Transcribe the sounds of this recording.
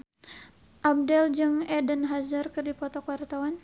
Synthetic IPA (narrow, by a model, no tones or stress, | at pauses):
ʔab̚dɛld͡ʒɨŋɛdənɦazərkɨrdipɔt̪ɔkwart̪awan